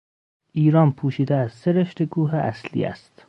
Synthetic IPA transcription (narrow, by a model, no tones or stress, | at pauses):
ʔiːɾɒːnpʰuːʃiːd̪eæz̥seɾeʃt̪eɡuːɦeʔæslḭːæ̰st̪